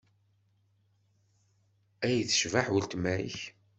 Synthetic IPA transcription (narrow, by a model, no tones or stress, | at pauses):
æjθə̥ʃvaħwəlt̪mæḭç